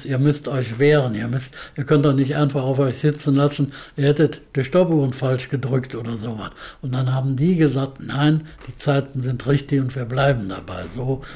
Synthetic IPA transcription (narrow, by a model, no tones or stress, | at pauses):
sʔiːɐmʏstɔʏçv̥eːʁəniːɐmʏstʔiːɐkʰœnt̚dɔχnɪçtʔaɪnfaχaʊfɔʏçz̥ɪt͡sn̩lasn̩ʔiːɐhɛtətd̥iʃtɔpuːʁənfalʃɡ̥ədʁʏktʔoːdɐzoːva̰sʊntd̥anɦaːbm̩diːɡəzaːk̚tnaɪnd̥iːt͡saɪtn̩zɪntʁɪçtɪçʊntv̥iːɐblaɪbm̩da̰ba̰ɪzoː